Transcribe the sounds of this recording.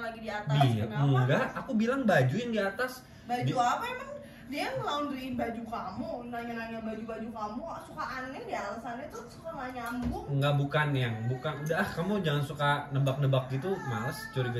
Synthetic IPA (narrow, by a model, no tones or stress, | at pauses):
laɡidiat̪abimuŋɡaakubilaŋbad͡ʒuɪndiat̪as | bad͡ʒuapaimaŋ | diaŋlaʊndɾinbad͡ʒukamunaɲanaɲabad͡ʒubad͡ʒukamusukaʔanɛdialasanat̪usukaŋaɲambʊŋŋɡaʔbukanjaŋbukanudahkamud͡ʒaŋansukanəbak̚nəbak̚ɡit̪umast͡ʃuɾiɡ